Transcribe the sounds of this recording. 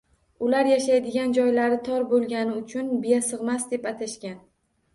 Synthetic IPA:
ʊlaɾjaʃajd̪ɪɡʲand͡ʒɒjlaɾɪt̪ʰɒɾbolˠɡʲanɪʊt͡ʃʰʊnbijasɨʁmasd̪e̞pat̪ʰaʃkʲan

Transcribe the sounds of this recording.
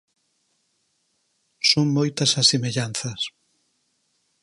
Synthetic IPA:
soŋmojt̪ɐsasemeʎanθɐs

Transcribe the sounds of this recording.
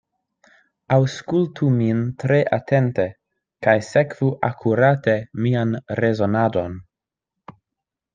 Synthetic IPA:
awskultʰumintɾeʔatʰente | kajsekv̥uʔa̰kʰuɾatemianɾezo̞nado̞n

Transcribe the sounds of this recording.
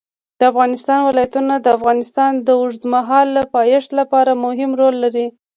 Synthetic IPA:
d̪̥əafɣɑnɪst̪ɑnwɪlɑjat̪unad̪əafɣɑnɪst̪ɑnd̪əʊʐd̪maɦɑlːapɑjɪʂt̪lapɑɾamʊɦɪmɾolːaɾi

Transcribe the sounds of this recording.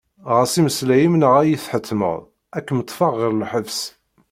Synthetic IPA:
ʁæsiməslæjimnəʁæjiθħət̪ʰːmə̰ʁ | ækːmət̪ˤːfɑʁːəɾlħəvs

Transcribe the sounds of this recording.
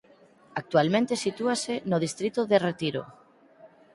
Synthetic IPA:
ak̚t̪ualmẽnt̪esit̪uasenoðist̪ɾit̪oðeret̪iɾo̰

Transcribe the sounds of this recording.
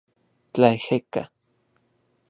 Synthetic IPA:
t͡ɬajxeka̰

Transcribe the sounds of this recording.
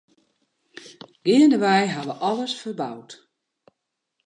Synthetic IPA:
ɡ̥ɪːəndəʋɛjɦaʋəʔɔləsfərbawt

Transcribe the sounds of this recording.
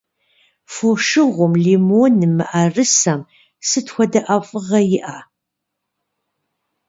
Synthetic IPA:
foʂɨʁʷʊmlimoːnɨmɨʔɐrɨsɐm | sɨtxʷɔdɐʔɐfʼɨʁɐjɪʔaː

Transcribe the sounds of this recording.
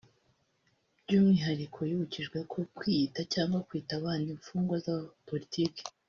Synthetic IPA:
bɟuːmŋiːɦaɾikʰo̞juhuciʒɡwekʰo̞kwitacaːŋɡwakwiːtaβaːndiɱfuːŋɡwazapo̞litʰiːke̥

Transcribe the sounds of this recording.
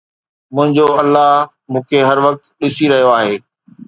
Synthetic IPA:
mʊ̃ɦɪ̃ɲd͡ʑoɐlːaɦ | mũːkʰeɦɐɾʋɐk̚t̪ɗɪsiɾɐɦijoaːɦeː

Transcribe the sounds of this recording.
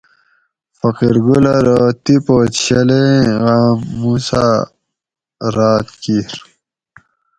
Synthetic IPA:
fʌqiɾɡulaɾot̪ipoːt̪ɕɐleɣaːmːusa̰ | ɾaːt̪kiɾ

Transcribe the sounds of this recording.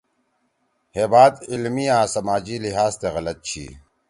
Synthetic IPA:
heːbaːd̪ilmiãːsɐmaːd͡ʑiliɦaːst̪eɣɐlɐt̪̚t͡ɕʰḭː

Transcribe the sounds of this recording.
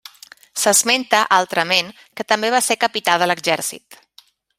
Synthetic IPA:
səzment̪əʔalˠt̪ɾəmeŋ | kət̪əmbeβasekəpit̪aðələɡʒɛɾsḭt̪

